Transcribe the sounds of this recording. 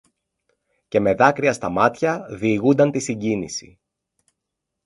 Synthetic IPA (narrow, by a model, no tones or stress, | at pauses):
ce̞me̞ðɐkɾiɐst̪ɐmɐt̪çɐðiːɣund̪ɐnt̪isiɲɟinḭsḭ